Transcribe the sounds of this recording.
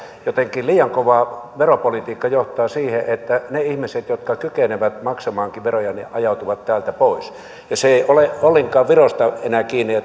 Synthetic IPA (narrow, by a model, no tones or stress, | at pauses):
jot̪eŋkiliːjɑŋkoʋɑʋeropolit̪iːkːɑjoht̪ˑɑːsiːheʔet̪ːæneihmiset̪jot̪kɑkykeneʋæt̪mɑksɑmɑːŋkiʋerojɑniʔɑjɑˑut̪uʋɑt̪t̪æːlt̪æpoˑis | joseˑioleʔolːeŋkˑɑːʋʋirost̪ɑenækiːnie